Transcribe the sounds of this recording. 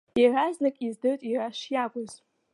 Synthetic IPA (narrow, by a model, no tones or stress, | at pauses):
iraznɨkʼizdɨtʼiraʃjaɡʷʼʊz